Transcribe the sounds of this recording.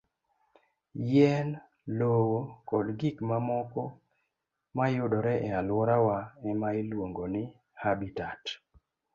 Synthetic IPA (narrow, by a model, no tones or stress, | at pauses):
jɛn | lowokɔdɡikmamɔkɔ | majʊdɔɾɛʔɛalwɔɾawaɛmailwoŋɡonɪ | habitat